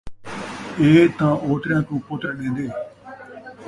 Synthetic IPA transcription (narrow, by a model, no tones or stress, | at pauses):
eːt̪ãːʔoːt̪ɾjãːkũːpõːt̪ɛːɗẽːnd̪eː